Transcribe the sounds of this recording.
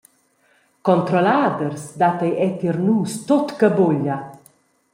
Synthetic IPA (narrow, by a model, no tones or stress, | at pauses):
kɔnt̪ɾɔlaːd̪ərsd̪at̪ejʔɛt̪irnuːst̪ot̪kəboʎa